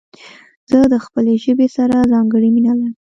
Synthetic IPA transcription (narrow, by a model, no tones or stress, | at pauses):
z̥əd̪əxpəleʒəbesaɾazɑŋɡəɽiminalaɾ